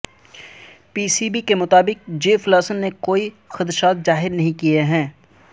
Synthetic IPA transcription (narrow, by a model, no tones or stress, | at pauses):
piːsiːbikemʊt̪aːbɪk̚d͡ʒeːflaːsənːekoːi | xɐd̪ɾʃaːt̪zaːɦɪɾnɐɦĩkieɦɛ̃ː